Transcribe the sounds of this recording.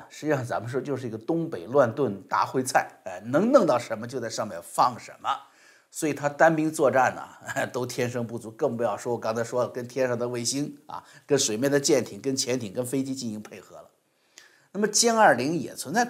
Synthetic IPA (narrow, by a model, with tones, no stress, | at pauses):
ʂɻ̩˥t͡ɕʂɑ˥˩ŋt͡sa̰˧˥mə˧ʂ̬wɔ˥t͡ɕjʊʂɻ̩˧i˧˥ɡə˨˩t̪ʊ˥ŋpe˨˩ɪlwa˥˧nt̪wə˥˩nt̪a̰˥xwe˥ɪt͡sʰa˥˩ɪ˧nɤ˧˥ŋnɤ˥˧ŋt̪ɑ˥˩ʊʂə˧˥nmə˧t͡ɕjo˥˧ʊt͡sa˥˧ʂɑ˥˧ŋmjɛ˥˧˩nfɑ˥˩ŋʂə̰˧˥nmə˧ | swɔ˧˥i˨˩t̪ʰa˥t̪a˥npi˥ŋt͡swɔ˥˧ʈ͡ʂa˥˩nə̰˩t̪o˥ʊt̪ʰjɛ˥nʂɤ˥ŋpu˥˩t͡su˧˥kɤ˥˩ŋp̬u˧˥jɑ˥˩ʊʂwɔ˥wɔ˨˩kɑ˥ŋt͡sʰa˧˥ʂwɔ˥lə˨˩kə˥nt̪ʰjɛ˥nʂɑ˥˧˩d̪ə˨˩we˥˩ɪɕi˥nɐ̰˩kə˥nʂwe˨˩ɪmjɛ˥˩nd̪ə˩t͡ɕjɛ˥˩nt̪ʰi˨˩ŋkə˥nt͡ɕʰjɛ˧˥nt̪ʰi˨˩ŋkə˥nfe˥ɪt͡ɕi˥t͡ɕi˥˩ni˧˥ŋpʰe˥˩ɪxɤ̰˧˥lə˨ | na˥˩mə˩t͡ɕjɛ˥nə˞˥˩li˧˥ŋjɛ̰˨˩t͡sʰwə˧˥nt͡sa˥˩ɪ